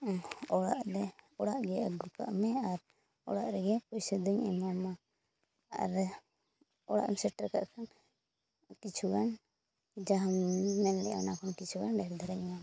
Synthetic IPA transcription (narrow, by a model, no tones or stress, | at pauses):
ɔɽaʔɾɛɔɽaʔɡɛʔaɡuka̰ʔmɛaɾ | ɔ̰ɽaʔɾɛɡɛpɔjsəd̪uɲɛ̰ɲama | a̰ɾ | ɔɽa̰ʔmsɛʈɾɛkaʔkan | ʈit͡ʃʰuɡan | id͡ʒaɦammɛllɛ̰ʔa̰nakʰɔnʈit͡ʃʰuɡanɖɛɾd̪ʱaɾaɲma